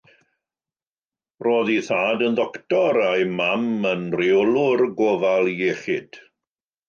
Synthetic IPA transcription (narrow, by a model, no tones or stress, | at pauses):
roːðiθaːdənðɔktɔɾajmamənrɪwlˠʊrɡoːvalˠjeːχɪd̥